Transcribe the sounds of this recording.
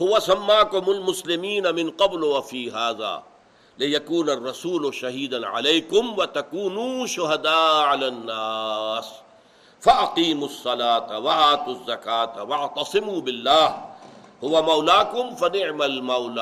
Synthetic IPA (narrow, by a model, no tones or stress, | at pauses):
hʊwasamːaːkʊmʊlmʊslɪmiːnamɪnqɑblʊwafiːɦaːða̰ː | lɪjakuːnarˤːɑsuːlʊʃaɦiːd̪anʕa̰lejkʊmwat̪akuːnuʃʊɦad̪aːʕalaːnːaːs | faʔaqiːmʊsˤːɑlaːt̪waʔaːt̪uzːakaːt̪wɑʕt̪ɑsˤɨmuːbɪlːaːhhʊwamawlaːkʊmfanɪʕmalmawlaː